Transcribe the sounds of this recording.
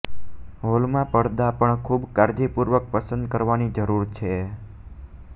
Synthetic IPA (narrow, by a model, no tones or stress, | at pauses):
ɦolmãpəɽd̪apəɳkʰubkaɾd͡ʒipuɾʋək̚pəsə̃nd̪̚kəɾʋanid͡ʒəɾuɾt͡ʃʰe